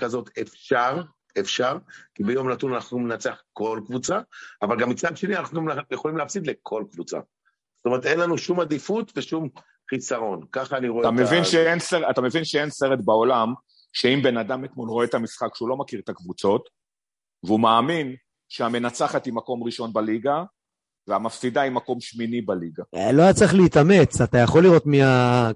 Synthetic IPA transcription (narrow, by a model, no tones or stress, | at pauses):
kazo̞t̪efʃaʁ | efʃaʁkibejo̞mnat̪unanaχnumenat͡seaχko̞lkvut͡saavalɡamːit͡sad̪ʃe̞nianaχnumajeχo̞limleafsid̪lekʰo̞lkvut͡sa̰ | z̥otome̞ʁet̪enlanuʃumad̪ifut̪veʃum | χisaʁo̞nkaχaːniʁoet̪amevvinʃeenseʁat̪ame̞vinʃeenseʁet̪bao̞lam | ʃeimbe̞nad̪amet̪mo̞lʁoet̪amisχakʃeulo̞makiʁet̪akvut͡so̞t̪ | veumaːmin | ʃeame̞nat͡saχat̪imako̞mʁiʃo̞nbaliɡa | veamafsid̪aimːako̞mʃminibaliɡaloajat͡sʁeχliːt̪ame̞t͡sat̪ajaχo̞liʁo̞t̪mia